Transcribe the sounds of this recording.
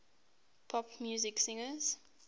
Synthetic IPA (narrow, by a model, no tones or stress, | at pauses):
pʰɔpmjuzɪksĩŋəz̥